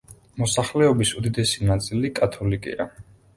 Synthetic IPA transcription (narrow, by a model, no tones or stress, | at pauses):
mɔsaχlɛɔbisud̪id̪ɛsinat̪sʼilikʼat̪ʰɔlikʼḭa̰